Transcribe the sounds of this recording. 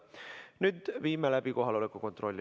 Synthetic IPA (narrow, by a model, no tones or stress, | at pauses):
nyt̪ʋiːmːelæpikoɦɑlːolekːoko̞nt̪rolʲːi